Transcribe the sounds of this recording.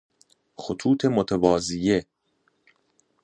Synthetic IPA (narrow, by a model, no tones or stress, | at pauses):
xot̪ʰuːt̪ʰemot̪ʰevɒːzije